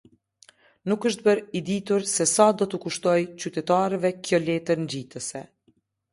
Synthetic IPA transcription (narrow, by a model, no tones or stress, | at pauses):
nukəʃt̪̚bəɾid̪it̪uɾsɛsad̪ɔt̪əkuʃt̪ɔjt͡ɕyt̪ɛt̪aɾɛvɛkjɔlɛt̪əɾnd͡ʑit̪əsɛ